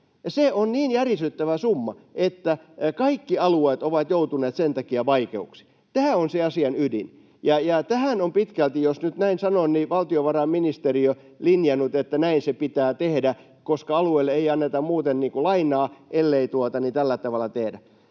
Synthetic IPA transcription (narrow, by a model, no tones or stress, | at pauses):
ɑseonniːnjærisyt̪ːæʋæsumːɑʔet̪ːæ | kɑikːiɑlueːt̪oʋɑt̪jout̪uneːt̪sent̪ɑkiæʋɑikḛuksi̥ | t̪æːonseɑsiɑnydḭn | jɑjɑt̪æhænompit̪kælt̪ijosnyt̪næinsɑnonniʋɑlt̪ioʋɑrɑminist̪eriø | linjɑnːut̪et̪ːænæinsepit̪æːt̪ehdæ | koskɑɑlueilːeeiɑnːet̪ɑmmuːt̪enniːŋkulɑinˑɑːʔelːeit̪uot̪ɑnit̪ælːæt̪ɑʋɑlːˑɑt̪ehdæ